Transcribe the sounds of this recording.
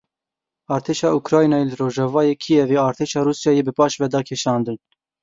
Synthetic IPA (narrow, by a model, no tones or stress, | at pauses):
ɑːɾt̪ʰeːʃɑːukɾɑːjnɑːjelɨroːʒɑvɑːjeːkʰijɛveːɑːɾt̪ʰeːʃɑːɾuːsjɑːjeːbɨpɑːʃvɛd̪ɑːkʰeʃɑːnd̪ɨn